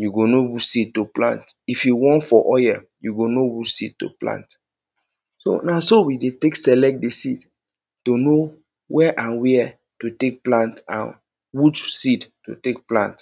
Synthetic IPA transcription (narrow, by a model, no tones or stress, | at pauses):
juɡonowusid̚toplã̰ntifjuwɔ̃ntfɔʔɔjɛ | juɡonowusid̚to̰plã̰nt | so̰nasowideteksɛlɛk̚t̚desid | tono | wɛʔãnwɛ | tutek̚plãntã̰n | wit͡ʃsidto̰tek̚plã̰nt